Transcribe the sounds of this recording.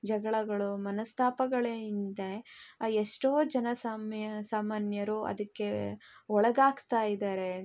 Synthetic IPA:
d͡ʒɐɡɐɭɐɡɐɭumɐnɐst̪ʰaːpɐɡɐɭeind̪eeʂʈoːd͡ʒɐnɐsaːmɐsaːmaːnjɐɾuɐ̰d̪ɐkːe̞ɔɭɐɡaːɡt̪aːjid̪aːɾe̞

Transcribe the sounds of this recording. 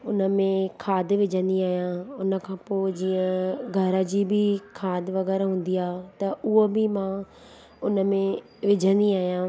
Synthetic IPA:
ʊnə̆mẽkʰaːd̪ʋɪd͡ʑʱə̃nd̪iaːɦijãʊnə̆kʰãːpoːɪd͡ʑiːə̃ɡʱɐɾəd͡ʑiːbʱɪkʰaːd̪ʱʋɐɣɛːɾɦũːn̆d̪iaːt̪ɐʔʊɦobɪmãː | ʊnə̆mẽ | ʋɪd͡ʑʱə̃nd̪iaːɦijãː

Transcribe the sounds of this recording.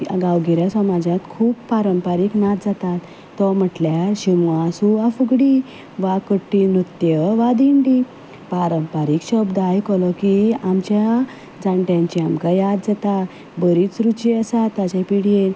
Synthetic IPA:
ɡawɡiɾjasɔmad͡ʑat̪kʰuːpːaɾəmpaɾiknat̪d͡zat̪at̪ː | ɔm̤əʈljaɕimasuafuɡɽi | ʋakəʈːinut̪jəʋad̪iɳɖi | paɾəmpaɾikɕɔbd̪ajkɔlɔkiamt͡ɕja | d͡zãɳʈjãɲt͡ɕiamkajad̪d͡zat̪a | bəɾit͡sɾut͡ɕiəsat̪ːat͡ɕepiɽien

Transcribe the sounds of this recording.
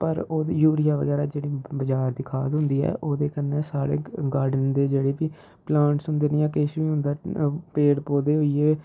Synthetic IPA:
pəɾoːjuːɾɪjaːʋə̰ɡɛːɾaːd͡ʒeːɽiːbəd͡ʒaːɾd̪iːkʰaːd̪ɦʊ̃nd̪iːɛ̰ːʔoːd̪eːkənːeːsaːɽḛːɡaːɾɖənd̪eːd͡ʒeːɽeːpiː | plãːɳʈsʊ̃nd̪eːnĩjãːkeːʃʋiːɦʊ̃nd̪aːpeːɽpoːd̪eːɦoiːeː

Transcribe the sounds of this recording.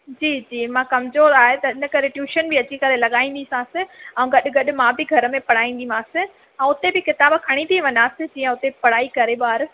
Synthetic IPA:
d͡ʑiːd͡ʑiːmãːkɐmzoːɾaːɦet̪ɐɪnə̆kɐɾeʈjuːʃənbɪɐt͡ɕikɐɾelɐɠaːĩnd̪isãːsɪ̃ɐ̃ũɡɐɗɪɡɐɗɪ̆mãbɪɡʱɐɾəmẽpɐɽ̤aːĩːn̆d̪imãːsɪ̃ | ɛ̃ʊt̪ebɪkɪt̪aːbkʰɐɽ̃it̪ʰiʋɐ̃ɲaːsɪ̃d͡ʑiːə̃ʊt̪epɐɽ̤aːikɐɾeɓaːɾ

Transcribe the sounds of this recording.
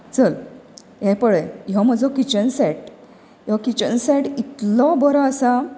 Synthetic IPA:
t͡səl | ɦɛ̃pəɭejɔməd͡zɔkit͡ɕənsɛʈ | jɔkit͡ɕənsɛʈit̪lɔbəɾɔəsa

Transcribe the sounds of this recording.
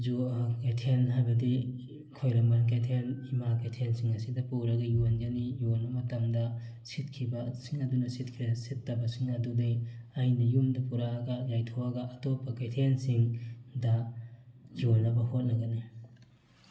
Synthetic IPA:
d͡ʒuketʰenɦajbɐdi | kʰojɾɐmbɐnketʰenimaketʰensiŋɐsidɐpuɾɐɡɐjond͡ʒɐnijonbɐmɐtɐmdɐsit̚kʰibɐsiŋɐdunɐsit̚kʰidɐsitːɐbɐsiŋɐdudejɐjnɐjumdɐpuɾaɡɐjajtʰowɐɡɐʔːtopːɐketʰensiŋdɐ | jonːɐbɐhot̚nɐɡɐni

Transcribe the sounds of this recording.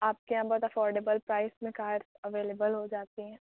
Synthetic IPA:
aːp̚keãbɔːt̪ɐfɔːɾɖebəlpɾaːɪsmẽkaːɾsəʋeːleːbəlɦod͡ʒaːt̪iɦɛ̃ː

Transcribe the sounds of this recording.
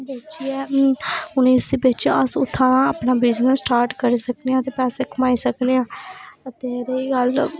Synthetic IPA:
beːt͡ʃiɛː | ʊniːsibɪt͡ʃəsʊt̪ʰːãːnãːəːpnaːbɪznəsːʈaːɾʈkəɾiːsəkneãːt̪eːpɛːseːkʰəmaːiːsəkneːãːət̪eːɾeiːɡəl

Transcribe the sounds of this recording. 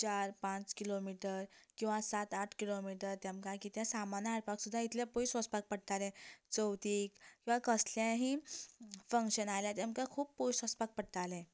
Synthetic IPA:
t͡ɕaɾpãt͡skilomiʈəɾkĩw̃ʋasat̪aʈʰkilomiʈəɾt̪jamkãkit̪jãsamanəaɾpaksud̪ʱːait̪ʰlãpojsʋəspak̚pəɽt̪alɛ̃t͡səwt̪ikkkĩw̃ʋakəsljãɦi | fə̃ŋkɕənajljat̪jamkakʰuːpːojsʋəspak̚pəɽt̪alɛ̃

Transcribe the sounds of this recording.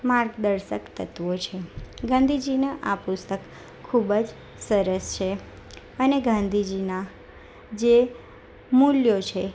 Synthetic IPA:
maɾɡd̪əɾʃəkt̪ət̪ʋot͡ʃʰeɡãnd̪ʱid͡ʒinəʔapust̪əkʰː | ubd͡ʒ | səɾəst͡ʃʰe | əneɡãnd̪ʱid͡ʒina | d͡ʒe | muljot͡ʃʰe

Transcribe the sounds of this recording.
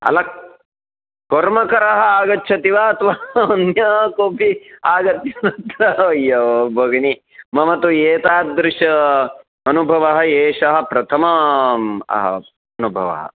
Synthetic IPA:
ɐ̰lɐk | koɾmɐkɐɾɐɦɐ̆aːɡɐtːʃʰɐt̪iʋaːɐt̪ʋaːɐnjɐːkoːpʰiaːɡɐt̪jɐnɐt̪ɾɐʋɐjːɐʋbʱɐɡɐni | mɐmɐt̪ueːt̪aːd̪ɾɪʂɐ | ɐnubʱɐʋɐɦɐeːʂɐɦɐ̆pɾɐt̪ʰɐmɐ | ɐ̰ɦɐ̰ | ɐnubʱɐʋɐ̰ɦɐ̰

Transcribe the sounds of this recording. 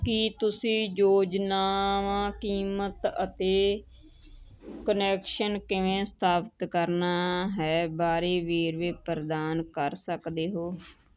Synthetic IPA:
kɪt̪ʊsĩːjoːd͡ʒnaːʋãːkiːmət̪ət̪eː | kənɛːkʃənkɪʋẽːst̪ʰaːpət̪kəɾnaːɦɛːbaːɾeːʋeːɾʋeːpəɾd̪aːnkəɾsəkd̪eːɦoː

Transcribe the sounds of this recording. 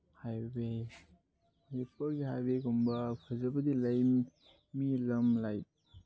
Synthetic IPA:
hajbe | jpʰɐɾɡiɦajbekumbɐpʰɐzɐbɐdilɐj | milɐmlajt

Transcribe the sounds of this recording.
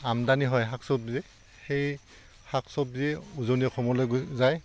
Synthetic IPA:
amdaniɦɔjɦaksɔp̚zɛ | xej | haksɔp̚zɛuzoniɛkʰɔmɔlojɡzaj

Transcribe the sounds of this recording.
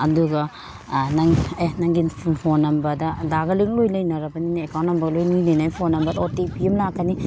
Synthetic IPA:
ɐduɡɐ | nɐŋenɐŋɡinʰpʰonɐmbɐdɐdaɡɐliŋlojlɐjnɐɾɐbɐninekawnɐmbɐɡɐlojnujnɐjnajpʰonɐmbɐdotepʰiɐmlakːɐni

